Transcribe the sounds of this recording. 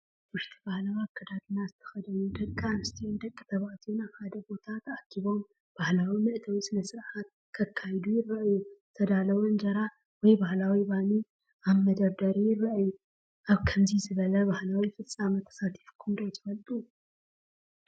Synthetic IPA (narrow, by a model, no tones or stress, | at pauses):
wʊʃt̪ʰi̥bahlawakʰɐd̪ad̪ɨnazɨt̪ʰɐ̥xɐd̪ɐnud̪ɐkʼːanɨst̪ʰiund̪ɐkʼːit̪ʰɐβaʔt̪ʰiunaβħad̪ɐbo̞t̪ʰat̪akʰiβo̞m | b̥ahlawimɨʔt̪ʰɐwisɨnɐsɨɾħat̪̚ | kʰɐkʰːajd̪ujɪrːɐʔjut̪ʰɐd̪alɐwɐnd͡ʒɐɾa | wɔjbahlawibani | aβmɐd̪ɐβd̪ɐɾijɪrːɐʔju | ʔaβkʰɐmzizɨβɐlɐbahlawifɨt͡sʼːamɐt̪ʰɐ̥sat̪ʰi̥fkʰund̪ot̪ʰɨ̥fɐlt̪ʼu